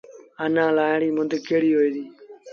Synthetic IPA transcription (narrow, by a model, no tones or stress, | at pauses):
ənãːlaːɽiːmʊ̃nd̪keːɽiːɦoːiːd̪iː